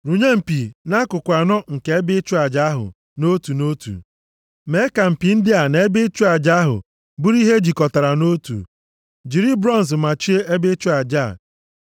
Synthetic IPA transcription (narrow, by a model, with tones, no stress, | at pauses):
ɾu˨ɲe˦m̩˨pi˨na˦kʊ˨kʷa˨nɔ˦ŋ̩˨ke˨e˦bɪ˦t͡ʃu˦a˨d͡ʒa˨˦ɦʊ̰˨ | no˦tu˨no˦tṵ˨ | me˨˦ka˨m̩˨pi˨n̩˦dɪ˦a˨ne˨e˦bɪ˦t͡ʃu˦a˨d͡ʒa˦ɦʊ̰˨ | bu˦ɾi˦ɦe˦d͡ʒi˨kɔ˨ta˨ɾa˨no˦tṵ˨ | d͡ʒi˨ɾi˦bɾɔ˦n˨s̬ma˨t͡ʃi˦e˦ʔe˦bɪ˦t͡ʃu˦a˨d͡ʒa˦˨